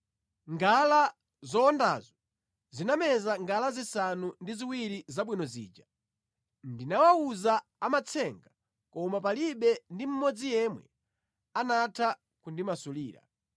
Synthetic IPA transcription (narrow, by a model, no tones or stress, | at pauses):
ŋɡala | zɔːnda̰zɔ | zinamɛzaŋɡalazisanundiziwiɾizaɓwinɔzḭːd͡ʒa | ndinawauzaamat͡sʰɛŋɡa | kɔmapaliɓɛndim̩mɔd͡zijɛmwɛ̰ | anatʰa | kundimasuliːɾa̰